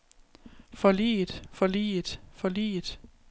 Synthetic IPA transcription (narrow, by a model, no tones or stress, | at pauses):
fɒ̽lḭːd̥fɒ̽lḭːd̥fɒ̽lḭːd̥